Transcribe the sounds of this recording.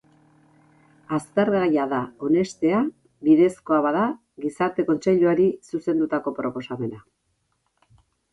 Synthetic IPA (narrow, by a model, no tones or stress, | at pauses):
ast̪e̞ɾɣajaðao̞ne̞st̪e̞a | βiðe̞sko̞aβaða | ɣisaɾt̪e̞ko̞nt͡se̞ʎuaɾisuse̞nd̪ut̪ako̞pɾo̞po̞same̞na